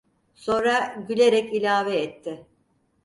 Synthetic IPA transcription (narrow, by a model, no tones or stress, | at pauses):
so̞nɾaɟylʲe̞ɾɛcilʲaːvɛːt̪ʰːɪ